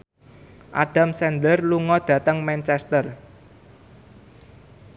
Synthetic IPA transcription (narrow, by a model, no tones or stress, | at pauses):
ʔa̰ɖ̥a̤msɛnd̪ərluŋɔd̪̥ä̤t̪əŋmɛnt͡ʃɛst̪ər